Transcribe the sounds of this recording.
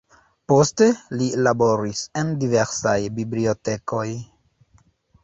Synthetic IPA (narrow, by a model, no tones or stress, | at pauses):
po̞ste̞lilabo̞ɾise̞ndive̞ɾsajbiblio̞te̞ko̞j